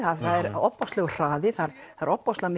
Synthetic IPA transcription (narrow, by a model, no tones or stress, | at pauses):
aðθaðɛɾɔpːɔst̪lɛɣʏr̥aːðɪθaɾθaɾɔpːɔst̪lam